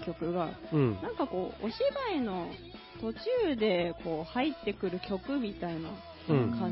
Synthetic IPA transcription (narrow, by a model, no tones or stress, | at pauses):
kʲo̞kɯ̟ɡãnãŋkako̞ːoɕibaino̞ | t̪o̞t͡ɕɨːd̪e̞ko̞ːhait̪ːe̞kɯ̟ɾɯ̟kʲo̞kɯ̟mʲit̪aina | kã